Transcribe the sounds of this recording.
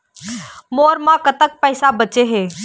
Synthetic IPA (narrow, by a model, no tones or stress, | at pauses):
moːɾmãkət̪ək̚pɛɪsabət͡ʃeɦeː